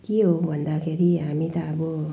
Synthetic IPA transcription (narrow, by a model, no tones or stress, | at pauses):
kiobɔnd̪akʰeɾiamit̪aːbo